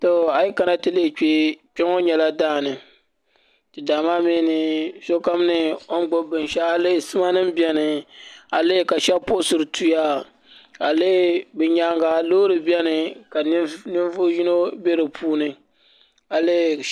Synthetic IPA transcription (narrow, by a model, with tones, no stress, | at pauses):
to˨a˨ji˦ka˨na˦tɨ˦le˦˨k͡pe˦k͡pɛ˦ŋo˦ɲɛ˨la˦daː˦˨nɨ˨ | tɨ˨daː˨maː˦mi˦nɨ˨so˦ka˦m˦nɨ˨o˦n˦ɡ͡bo˦bɨ˨nʃa˦ha˦le˦˨sɨ˦ma˦nɨ˦mbi˦ɛ˦nɨ˨ha˨leː˦˨ka˨ʃɛ˦po˦sɨ˨ɾɨ˨tʰu˦ja˦ | ha˨le˦bɨ˨ɲa˦ŋɡa˨lo˦ɾɨ˨bi˦ɛ˦nɨ˨ka˨˦nɨ˦nvo˦ji˦no˦be˦ɾɨ˨pʰuː˦nɨ˨ | ha˨leː˦˨